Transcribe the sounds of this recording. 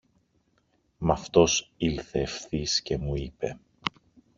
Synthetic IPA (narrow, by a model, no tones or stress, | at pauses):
mɐft̪o̞silθe̞ːfθisce̞muipe̞